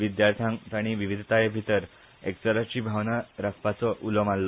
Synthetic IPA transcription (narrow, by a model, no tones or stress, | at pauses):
ʋid̪jaɾt̪ʰjãŋt̪aɽ̃iʋiʋid̪ʱt̪ajebʱit̪əɾ | eksəɾat͡ɕiːbʱaʋnaɾakʰpat͡sɔʔulɔmalːɔ